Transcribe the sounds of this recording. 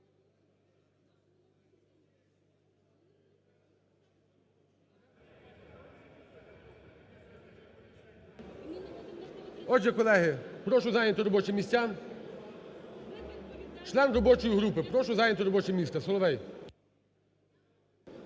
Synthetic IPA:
ɔd͡ʒʲjɐkɔlˠɛɦɪpɾɔʃʊzɑjnʲɐt̪ʊɾɔbɔt͡ʃɪmʲisʲtʲan | t͡ʃlˠɛnrɔbɔt͡ʃɔjiɦɾupɪpɾɔʃʊzɑjnʲɐt̪ɔɾɔbɔt͡ʃɛmʲist̪ɐsɔlˠɔʋɛj

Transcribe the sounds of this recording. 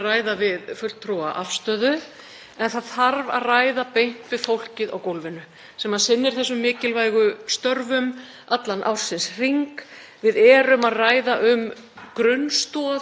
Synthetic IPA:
raːjðavɪðfʏl̥t̪ʰːɾɔaʔafst̪œːðʏ | ɛnθaðθaɾva̰ðraːjðapejn̥t̪vɪð̥fowl̥cɪða̰wkowlvɪnʏ | sɛmaðsɪnːɪɾ̥θɛs̬ːʏmːɪːcɪlvaːjɣʏst̪œɾvʏm | at̪lanʔa̰wɾ̥sɪnsr̥iŋk | vɪðɛːɾʏmaðraːjðaʔʏm | kɾʏnst̪ɔ

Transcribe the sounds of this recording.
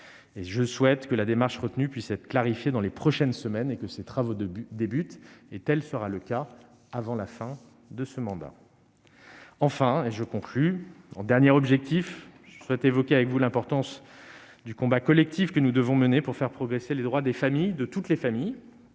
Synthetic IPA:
eʒəswɛt̪kəlad̪emaʁʃʁət̪nypɥisɛt̪χə̥klaʁifjed̪ɑ̃lepχɔʃɛnsəmɛnekəset̪χavod̪d̪ebyt̪et̪ɛlsəʁaləka | avɑ̃lafɛ̃ | d̪əsəmɑ̃d̪a̰ | ɑ̃fɛ̃eʒəkɔ̃klyɑ̰̃d̪ɛʁnjɛʁɔbʒɛk̚t̪ʰifʒəswɛt̪evɔkʲeavɛkvulɛ̃pɔʁt̪ɑ̃s | d̪ykɔ̃bakɔlɛk̚t̪ʰifkənud̪əvɔ̃mənepuʁfɛʁpχɔɡʁeseled̪ʁwad̪efamijd̪ət̪ut̪lefamij

